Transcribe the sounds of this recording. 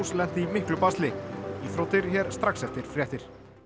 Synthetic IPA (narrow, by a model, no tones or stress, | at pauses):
slɛn̥t̪ɪimɪhklʏpast̪lɪiθɾowt̪ɪɾçɛɾ̥st̪ɾaksɛft̪ɪɾ̥fɾjɛht̪ɪɾ̥